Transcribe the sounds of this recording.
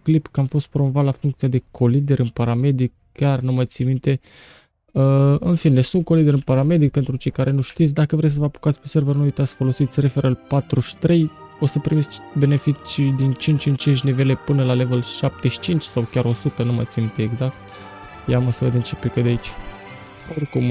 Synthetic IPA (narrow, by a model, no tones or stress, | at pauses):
klipkamfo̞st̪̚pɾo̞mo̞vat̪lafuŋkt̪ijad̪ekʰo̞lid̪e̞ɾɨnpaɾame̞d̪ik̚ | kʲarnumajt̪sʲimint̪e̞ | əɨnfine̞sunt̪̚ko̞lid̪e̞ɾɨnpaɾame̞d̪ik̚pe̞nt̪ɾut͡ʃe̞jkaɾe̞nuʃt̪it̪sʲd̪akəvɾejs̬əvəapu̥kat̪sʲpese̞rvənuujt̪at̪sʲfolo̞sit̪sʲre̞fe̞ɾəlpat̪ɾuʃt̪ɾe̞jo̞səpɾimibe̞ne̞fit͡ʃʲid̪int͡ʃint͡ʃint͡ʃint͡ʃʲnive̞le̞pɨnəlale̞velʃap̚t̪e̞ʃi̥t͡ʃint͡ʃʲsawkʲaɾo̞sut̪ənuma̰t̪sʲimint̪e̞ːɡzak̚t̪ | jamosəvəd̪ent͡ʃepikəd̪eait͡ʃ | orkum